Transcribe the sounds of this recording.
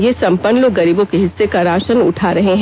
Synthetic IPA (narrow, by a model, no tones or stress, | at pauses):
jesɐ̃mpənːloɡɐɾiːbõkeɦɪsːekaɾaːʃənʊ̰ʈʰaːɾɐɦeɦ